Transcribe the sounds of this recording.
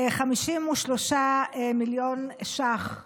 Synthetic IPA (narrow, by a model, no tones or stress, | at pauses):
χamiʃimuʃloʃaemiljoneʃaχ